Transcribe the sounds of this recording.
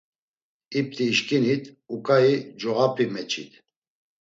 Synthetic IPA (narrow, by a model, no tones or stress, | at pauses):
ip̚t̪ʰiːʃkʼinit̪ʰʼ | ukʼaid͡ʒɔɣapʰimɛt͡ʃʰʼḭt̪ʰ